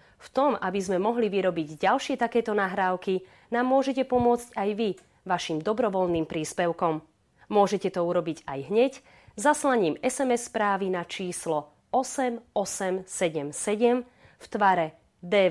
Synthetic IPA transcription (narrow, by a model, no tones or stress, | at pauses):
ft̪ɔmabizmɛmɔɦliʋiɾɔbiɟɟalʃɪɛt̪akɛːt̪ɔnaɦɾaːʊki | naːmːʊɔʒɛcɛpɔmʊɔt͡scajʋi | ʋaʃimd̪ɔbɾɔʋɔlniːmpɾiːspɛʊkɔmː | ʊɔʒɛcɛt̪ɔuɾɔbiɟa̰jɦɲɛc | zaslaɲiːmɛsɛmɛsːpɾaːʋinat͡ʃiːslɔ | ɔsɛmɔsɛmsɛɟɛmsɛɟɛm | ft̪ʋaɾɛ | d̪ɛː